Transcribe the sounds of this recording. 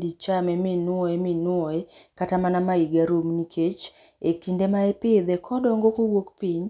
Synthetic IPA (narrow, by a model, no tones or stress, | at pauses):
dit͡ʃamɛmɪnwɔɛminwɔɛkatamanamaiɡaɾumnikʰet͡ʃ | ekindemaɛpɪd̪ɛkʰɔdɔŋɡokowokpiɲ